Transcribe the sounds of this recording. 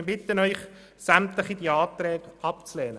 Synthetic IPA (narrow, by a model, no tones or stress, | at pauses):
bɪt̪ənœʏχ | sæmt̪ləχidiɑːt̪ɾɛːɡɑp̚t͡slɛːnə